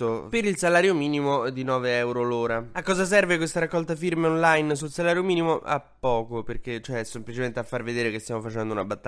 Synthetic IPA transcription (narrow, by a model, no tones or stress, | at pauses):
opeɾilsalaːɾjomiːnimod̪inɔːveɛwɾoloːɾaakːɔːzas̬ɛrvekwest̪aɾakːɔlt̪afirmeɔnlajns̬ulsalaːɾjomiːnimoa̰pːɔːkoperket͡ʃoɛsemplit͡ʃement̪eafːarved̪eːɾekest̪jamofat͡ʃɛnd̪ounabat̪ːa